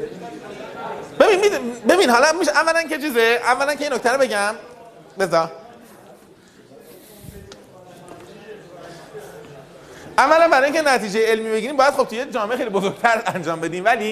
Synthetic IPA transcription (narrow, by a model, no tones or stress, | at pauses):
b̥e̞binmibe̞binhɒlɒmiʃævːælænket͡ʃʰiːzeævːælænkʰejinːoc̚ʰt̪æɾobe̞ɟæm | be̞zɒ | ʔævːælænbæɾɒːiŋcʰenæt̪iːd͡ʒejeelmiːbe̞ɡiːɾiːmbɒːjæd̪̚xo̞b̚t̪ʰujed͡ʒɒːmeexejlibozoɾɡ̥̚t̪ʰæɾænd͡ʒɒːmbe̞d̪iːmvæliː